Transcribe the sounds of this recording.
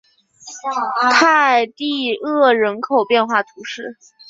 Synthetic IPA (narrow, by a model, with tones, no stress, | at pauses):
t̪ʰa˥˧ɪt̪i˥˧ɤ˥˩ɻə˧˥nkʰo˨˩ʊpjɛ˥˧nxwa˥˩t̪ʰu˧˥ʂɻ̩˥˩